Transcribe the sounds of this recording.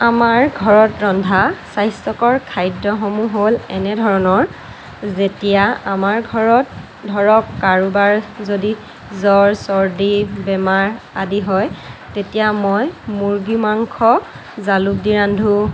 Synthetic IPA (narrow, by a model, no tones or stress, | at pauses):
amaɹɡʱɔɹɔtɹɔndʱasajstɔkɔɹkʰajdɔɦomuɦolɛnɛdʱɔɹɔnɔɹ | zetijaamaɹɡʱɔɹɔt̚ | dʱɔɹɔkːaɹubaɹzodi | zɔɹsɔɹdibɛmaɹadiɦɔjtetijamɔjmuɹɡimaŋkʰɔ | zaluk̚diɹandʱu